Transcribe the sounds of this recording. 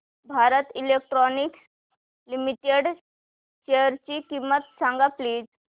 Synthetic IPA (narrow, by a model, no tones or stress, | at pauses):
bʱaɾət̪ilek̚ʈɾɔnik | limiʈeɖ | ɕejəɾt͡ɕiːkimət̪saŋɡapliːd͡z